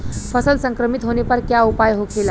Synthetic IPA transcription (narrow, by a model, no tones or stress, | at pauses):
fəsəlsəŋkɾəmit̪ɦonepəɾkjaupajɦokʰela